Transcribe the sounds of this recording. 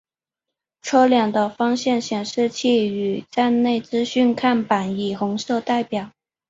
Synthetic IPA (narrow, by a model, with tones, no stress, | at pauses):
ʈ͡ʂʰɤ˥ʊljɑ˨˩ŋd̪ə˧fɑ˥ŋɕjɛ˥˩nɕjɛ˨˩nʂɻ̩˥˧t͡ɕʰi˥˩y˨˩t͡sa˥˧ɪne˥˩ɪt͡sɹ̩˥ɕy˥˧nkʰa˥˩npa˨˩˦ni˨˩xʊ˧˥ŋʂɤ˥˧ʊt̪a˥˩ɪpjɑ˨˩˦ʊ